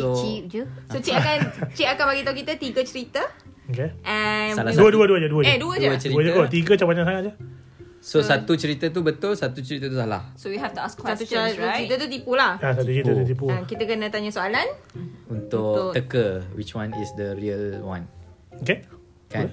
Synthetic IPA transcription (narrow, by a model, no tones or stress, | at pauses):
sot͡ʃip̚d͡ʒəsot͡ʃiakant͡ʃiʔakanbaɡit̪aũk̬it̪ət̪iɡət͡ʃəɾit̪ə | okeʔɛnaladəduəduəd͡ʒaduəaduədd͡ʒət͡ʃədɾiəd͡ʒəkot̪iɡət͡ʃabaɲãsaŋaʔd͡ʒə | sosat̪ut͡ʃəɾit̪ət̪̬ubət̪ʊlsat̪ut͡ʃəɾit̪ət̪usala̰hsowiɦɛft̪uasksat̪ut͡ʃt͡ʃəɾit̪ət̪ut̪ipulahasat̪ut͡ʃəɾit̪ət̪ut̪ipuãkit̪əkənət̪aɲasoalanunt̪ʊk̪əkəwit͡ʃwãnisd̪əɾiəlwãn | oke | kan